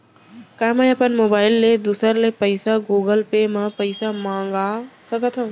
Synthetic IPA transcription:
kaːmaəpənmoːbaːɪlːed̪usəɾlepɐɪsaɡuːɡəlpeːmãpɐɪsamãːŋɡasɐɡʱət̪ʰõː

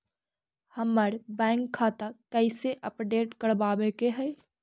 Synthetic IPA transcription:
həmːəɾbɛ̃ːŋkʰːaːt̪akɛɪseʔəpɖeːʈkəɽbaːʋekeɦɛː

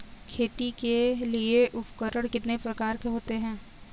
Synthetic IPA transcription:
kʰeːt̪ikelieʔʊpkəɾəɽ̃kɪt̪nepɾɐkaːɾkeɦoːt̪eɦɛ̃ː

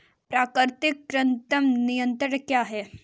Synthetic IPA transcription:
pɾaːkɾt̪ikːɾənt̪əmnijənt̪ɾəɳkjaːɦɛ

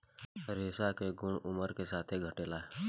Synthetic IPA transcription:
ɾeːsakeɡʊɳ̃ʊməɾkesaːt̪ʰeɡʱəʈeːlaːɦɛ

